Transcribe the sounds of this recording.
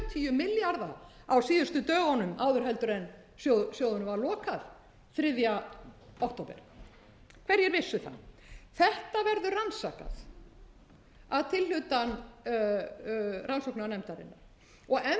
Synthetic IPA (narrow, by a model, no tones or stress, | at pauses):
t̪ʰːijʏmɪljaɾða | awsiːðʏst̪ʏt̪œːɣɔnʏmaːwðʏɾ̥ɦɛlt̪ʏɾɛn | sjosjowðʏnʏvaɾlɔːkaθ | θɾɪðjaowk̚t̪ʰoːwpɛ̰ɾ̥ | kʰv̥ɛɾjɛɾvɪsːʏθa̰θɛht̪avɛɾðʏransaka̰θ | aðt̪ʰɪllʏt̪an | rʔansowknaanɛmt̪aɾɪ̰nːaɾ | ɔɣɛ